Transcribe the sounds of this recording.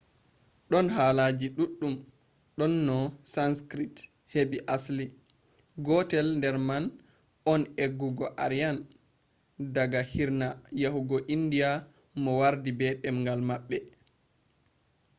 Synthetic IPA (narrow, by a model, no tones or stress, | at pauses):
ɗɔnɦaːlaːd͡ʒiɗuɗːum | ɗɔnːɔsanskɾit | hebiʔasli | ɡɔtɛlndɛɾman | ʔɔneɡːuɡɔʔaɾijan | daɡahiɾnajahuɡɔʔindija | mɔwaɾdibɛɗɛmŋɡalmaɓːɛ